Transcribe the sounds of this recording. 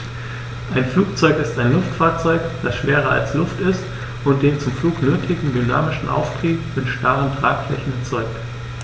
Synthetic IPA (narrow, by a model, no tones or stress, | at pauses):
ʔaɪnfluːk̚t͡sɔʏkɪstaɪnlʊftfaːɐt͡sɔʏkd̥asʃv̥eːʁɐa̰lslʊftɪst | ʔʊnt̚d̥eːnt͡sʊmfluːknøːtʰɪɡŋ̩dyna̰ːmɪʃn̩ʔa̰ʊftʁ̥iːpmɪtʃtaʁəntʁ̥aːkflɛ̰çn̩ɛɐt͡sɔʏk̚t